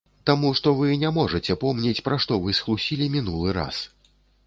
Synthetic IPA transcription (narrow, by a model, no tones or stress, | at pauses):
t̪amuʂt̪ɔvɨnʲamɔʐɨt͡sʲɛpɔmnʲɛt͡sʲpɾaʂt̪ɔvɨsxlˠusʲilʲimʲin̪ulˠɨɾa̰s